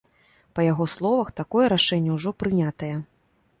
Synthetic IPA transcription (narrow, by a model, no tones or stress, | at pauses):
pɐjaɣɔslˠɔvɐxt̪akɔjɛɾaʂɛnʲːɛwʐɔpɾɨnʲat̪ɐjɛ